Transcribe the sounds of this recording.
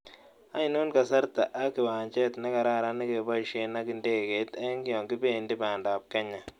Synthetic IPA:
a˦ɪ˦no˦nka˨sa˦ɾta˨ʔa˦kɪ˨waː˨ɲt͡ʃɛ˦tnɛ˦ka˨ɾa˦˨ɾa˦nɪ˦ke˨ba˦i˨ʃe˨na˦kɪ˨ndeː˦˨ke˨˦tɛ˦ŋɡɪ˦ɔ˨ŋɡi˦be˦˨ndi˦baː˨ndaː˨p̚kɛ˦ɲa˨

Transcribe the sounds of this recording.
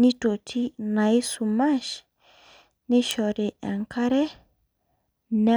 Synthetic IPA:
ni˦to˨tʰi˦na˨i˦su˨ma˦ʃ | ni˦ʃɔ˨ɾe˨a˨ŋka˦ɾɛ˦ | na˦

